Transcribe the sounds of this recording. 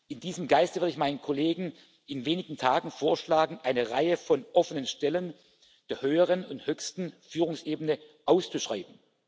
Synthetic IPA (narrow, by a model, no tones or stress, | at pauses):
ʔɪndiːzəmɡaɪstvɪɐɪçmaɪnənkʰoleːɡŋ̩ | ʔɪnveːnɪɡŋ̩tʰaːɡŋ̩foːɐʃlaːɡŋ̩ʔaɪnəʁaɪəfɔnʔɔfənənʃtɛlən | d̥eːɐhøːəʁ̞ənʊnthøːçstn̩fyːʁ̞ʊŋsʔeːbənəʔaʊst͡suʃʁ̥aɪbn̩